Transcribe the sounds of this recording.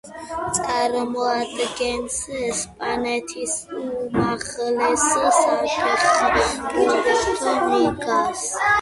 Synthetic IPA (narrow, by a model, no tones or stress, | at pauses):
t̪sʼaɾmɔad̪ɡɛnsɛspʼanɛt̪ʰisumaχlɛsɔsakʼɛχkʼuɾt̪ʼst̪ʰɔmiɡas